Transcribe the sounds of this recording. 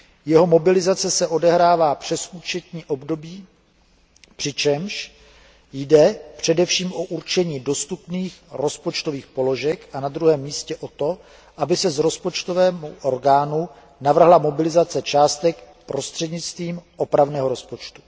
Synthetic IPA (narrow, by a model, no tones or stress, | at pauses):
jɛɦo̞mo̞bɪlɪzat͡sɛsɛʔo̞dɛɦɾaːvaːpr̝̥ɛsuːt͡ʃɛt̪ɲiːʔo̞bdo̞biː | pr̥ɪt͡ʃɛmʃ | jdɛpr̝̥ɛdɛfʃiːmʔo̞ʔuɾt͡ʃɛɲiːdo̞st̪upniːxɾo̞spo̞t͡ʃt̪oviːxpo̞lo̞ʒɛkʔanad̪ɾuɦɛːmːiːscɛʔo̞t̪o̞ | ʔabɪsɛzɾo̞spo̞t͡ʃt̪o̞vɛːmuʔo̞ɾɡaːnu | navr̩ɦlamo̞bɪlɪzat͡sɛt͡ʃaːst̪ɛk | pɾo̞st̪r̥ɛdɲɪt͡st̪viːmʔo̞pɾavnɛːɦo̞ɾo̞spo̞t͡ʃt̪u̥